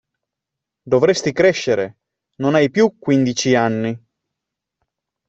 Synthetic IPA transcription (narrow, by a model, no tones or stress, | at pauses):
d̪ovɾest̪ikɾɛʃːeɾe | nonajpjukːwind̪it͡ʃianːi